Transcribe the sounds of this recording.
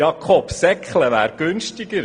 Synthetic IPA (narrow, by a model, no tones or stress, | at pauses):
jɑkʰɔpsɛkχləʋæ̰ːɾɡ̥ʏnʃtɪɡ̥əɾ